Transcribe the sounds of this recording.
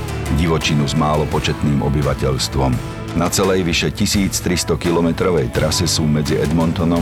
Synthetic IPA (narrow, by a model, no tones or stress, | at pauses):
ɟiʋɔt͡ʃinuzmaːlɔpɔt͡ʃɛt̪niːmɔbiʋacɛʎst̪ʋɔm | nat͡sɛlɛjʋiʃɛcisiːt͡st̪ɾist̪ɔkilɔmɛt̪ɾɔʋɛjt̪ɾasɛsuːmɛd͡ziʔɛd̪mɔnt̪ɔnɔ